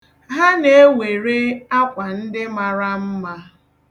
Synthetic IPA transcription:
ɦa˦ne˨e˦we˨ɾe˦a˦kʷa˨n̩˦dɪ˦ma˨ɾa˦m̩˦ma˦

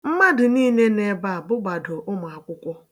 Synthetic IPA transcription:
m̩˦ma˦dɪ˨niː˦ne˦ne˦ba˦a˨bʊ˦ɡ͡ba˨dʊ˨ʔʊ˦m˨a˨kʷʊ˦kʷɔ˦

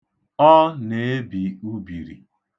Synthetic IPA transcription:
ɔ˦ne˨e˦bi˨u˦bi˨ɾḭ˨

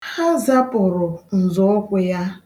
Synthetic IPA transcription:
ha˦za˦pʊ˨ɾʊ˨n̩˨zʊ˦kʷe˦ja˦

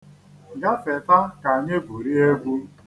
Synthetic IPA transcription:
ɡa˦fe˨ta˦ka˨ɲe˦bu˨ɾi˦e˦ɡʷu˦

